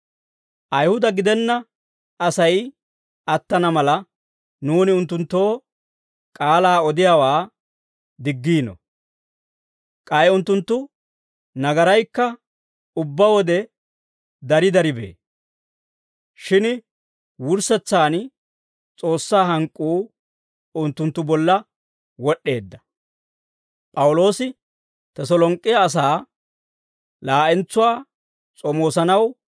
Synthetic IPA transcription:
ʔɐjhʊd̪ɐɡɪd̪ɛnːɐ | ʔɐsɐj | ɐt̪ːɐnɐmɐlɐ | nuːnɪʊnt̪ːʊnt̪ːo̞ː | kʼaːlaːɔd̪ɪjaːwaː | d̪ɪɡːiːnɔ̰ | kʼɐjʊnt̪ːʊnt̪ːʊ | nɐɡɐɾɐjkːɐ | ʊbːɐwɔd̪ɛ | d̪ɐɾɪd̪ɐɾɪbḛː | ʃɪn | wʊɾsɛt͡sːaːn | t͡sʼo̞ːsːaːɦɐŋkʼːuː | ʊnt̪ːʊnt̪ːʊbɔlːɐ | wɔɗːe̞ːd̪ːɐ̥ | pʼɐwʊlo̞ːsɪ | t̪ɐsɔlɔŋkʼːɪjɐːs̬aː | laːʔɛnt͡sːʊwaː | t͡sʼɔmo̞ːsɐnɐw

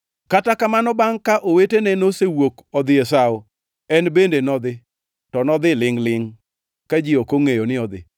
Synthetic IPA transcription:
katakamanɔbaŋkaʔowetenenosewokɔd̪ɪesaʊ | ɛnbendenɔd̪ɪ | tɔnɔd̪ɪlɪŋlɪŋ | kad͡ʒɪokoŋejonɪɔd̪ɪ̰

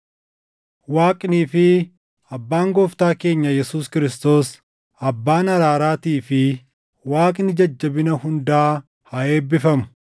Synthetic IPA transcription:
waːkʼniːfɪ | ɐbːaːŋɡɔːft̪aːke̞ːɲːɐjɛsuːskɪɾɪst̪o̞ːs | ɐbːaːnɐɾaːɾaːt̪iːfɪ | waːkʼnɪd͡ʒɐd͡ʒːɐbɪnɐhʊnd̪aː | hɐe̞ːbːɪfɐmʊ̥

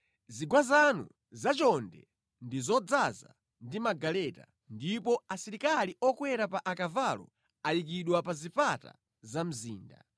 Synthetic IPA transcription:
ziɡwazanṵ | zat͡ʃɔndɛ̰ | ndizɔd͡zaza̰ | ndimaɡalɛta̰ | ndipɔasiɾikaliʔɔkwɛɾapaʔakavalɔ̰ | ajik̬iɗwapazipata̰ | zam̩ziːnda

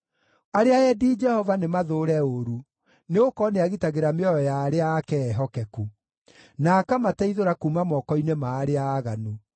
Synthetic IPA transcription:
aɾeaɛdiːd͡ʒɛhɔvanemaðoːɾɛoɾu | neokɔneaɣitaɣeɾameɔjɔjaːɾeaːkɛːɦɔkɛku | naːkamatɛiðoɾakuːmamɔkɔinemaːɾeaːɣanu

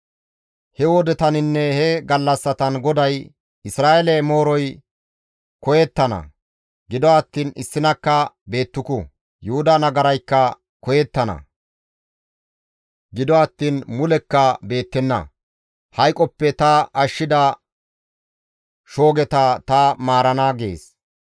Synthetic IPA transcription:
hɛwɔd̪ɛt̪ɐnɪnːɛhɛɡɐlːɐsːɐt̪ɐnɡɔd̪ɐj | ɪsɾaːʔɛlɛmo̞ːɾɔj | kɔjɛt̪ːɐnɐ̰ | ɡɪd̪ɔɐt̪ːiːnɪsːɪnɐkːɐbe̞ːt̪ːʊkʊ̰ | jʊhʊd̪ɐnɐɡɐɾɐjkːɐ | kɔjɛt̪ːɐnɐ̰ | ɡɪd̪ɔɐt̪ːiːnmʊlɛkːɐbe̞ːt̪ːɛnːɐ̰ | hɐjkʼɔpːɛt̪ɐʔɐʃːɪd̪ɐ | ʃo̞ːɡɛt̪ɐt̪ɐmaːɾɐnaːɡḛːs

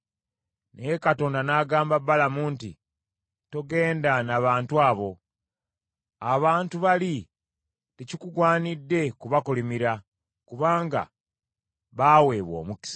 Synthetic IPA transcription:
nekato̞ːndanaːɡaːmbabalamuːntḭ | to̞ɡe̞ːndanaβaːntuaːβo̞ | aβaːntuβali | tecikuɡwaːnidːe̞kuβakulimiɾa | kuβaːŋɡa̰ | βaːwe̞ːβwo̞̰ːmuki̥s

